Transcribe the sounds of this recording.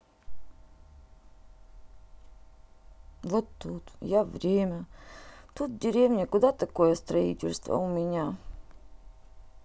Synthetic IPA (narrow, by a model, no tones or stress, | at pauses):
vot̪ːut̪javɾʲemʲə | t̪ut̪̚dʲɪɾʲevnʲɪkʊd̪at̪ɐko̞jəst̪ɾɐḭtʲɪ̰lʲst̪və̰ʊmʲɪnʲa